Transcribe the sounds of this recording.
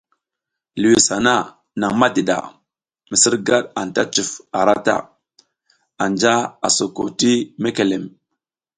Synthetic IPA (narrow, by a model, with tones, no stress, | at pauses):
li˨wi˨sa˨na˦ | na˨ŋma˦di˨ɗa̰˨ | mi˨si˦ɾɡa˦ɗa˨n˨ta˦t͡ʃu˨fa˨ɾa˦ta̰˦ | a˨nd͡ʒa˦a˨so˨ko˨ti˦me˦ke˨le˨m